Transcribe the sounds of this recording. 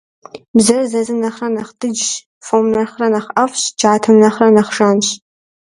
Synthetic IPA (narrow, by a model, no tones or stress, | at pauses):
bzɐrzɐzɨnɐχrɐnɐχdʰɨd͡ʒ | fomnɐrχrɐnɐχɐfɕt͡ʃʰaːtʰɐmnɐχrɐnɐχʒaːnɕ